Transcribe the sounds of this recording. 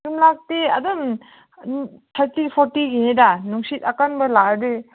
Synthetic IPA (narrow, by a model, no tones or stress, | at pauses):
ɯmlak̚tia̰dɯm | t̪ʰaɾtipʰɔɾtiɡinidanuŋsit̪akanbalaɾdɯ